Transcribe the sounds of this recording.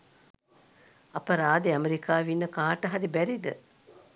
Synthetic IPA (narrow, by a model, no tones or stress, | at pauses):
ɐpɐɾaːd̪iɐmeɾikaːʋinːəkaːʈɐɦɐɾibæɾid̪ə